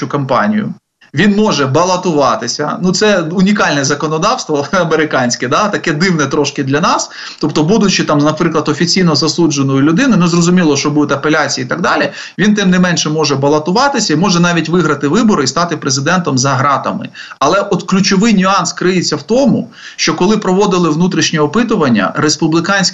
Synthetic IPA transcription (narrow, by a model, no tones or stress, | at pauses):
ʊkɐmpɑ̰nʲḭjʊ̰ | ʋʲinmɔʒɛbɐlˠɐt̪ʊʋɑt̪ɪsʲɐ̰nut̪sɛʊnʲikɑlʲnɛzɐkɔnɔd̪ɑwst̪ʋɔɐmeɾɪkɑnʲsʲkɛd̪ɑt̪ɐkɛd̪ɪwnɛt̪ɾɔʃkɪd̪lʲɐnɑs | t̪ɔpt̪ɔbud̪ʊt͡ʃɪt̪ɑmnɐpɾɪklˠɐd̪ɔfʲit͡sʲijnɔzɐsud͡ʒenɔjʊlʲʊd̪ɪnɪnɛzrɔzʊmʲilˠɔʃt͡ʃɔbud̪ʊt̪ʲɐpelʲat͡sʲijiːit̪ɐɡd̪ɑlʲi | ʋʲint̪ɛmnɪmɛnʃɛmɔʒɛbɐlˠɐt̪ʊʋɑt̪ɪsʲɐimɔʒɛnɑʋʲitʲʋɪɦɾɐt̪ɪʋɪbɔɾɪist̪ɑt̪ɪpɾezɪd̪ɛnt̪ɔmzɐɦɾɑt̪ɐ̰mɪ̰ɐlˠɛʔɔd̪klʲʊt͡ʃɔʋɪjnʲiɑnskɾɪjet͡sʲːɐwt̪ɔmʊ̰ | ʃt͡ʃɔkɔlˠɪpɾɔʋɔd̪ɪlˠɪʋnut̪ɾʲiʃnʲiɔpɪt̪ʊʋɐnʲːɐ̰ɾespʊblʲˠɪkɑnʲsʲ